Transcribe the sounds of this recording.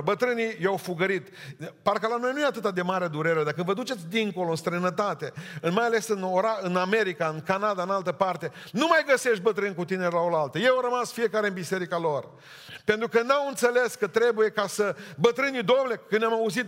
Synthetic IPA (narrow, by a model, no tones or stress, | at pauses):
bət̪ɾɨnijawfuɡəɾit̪parkəlano̞jnujeat̪ɨt̪ad̪e̞maɾed̪uɾe̞ɾe̞d̪akənvəd̪ut͡ʃe̞t̪sʲd̪iŋko̞lo̞ɨnst̪ɾəjnət̪at̪e̞ɨnmajale̞sɨnoɾaɨname̞ɾikaɨnkanad̪aɨnalt̪əpart̪e̞ | numajɡəse̞ʃt̪̚bət̪ɾɨnʲkut̪inelao̞lalt̪əjeaɾəmasfije̞kaɾe̞ɨnbise̞ɾikalo̞r | pe̞nt̪ɾukənnamɨnt̪se̞le̞skət̪ɾe̞buje̞kasəbət̪ɾɨnid̪o̞mlekɨnnamauzit̪̚